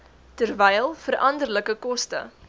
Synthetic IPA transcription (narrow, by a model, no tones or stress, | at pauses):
tərvɛjlˠfərʔɐndərləkəkɔstə̰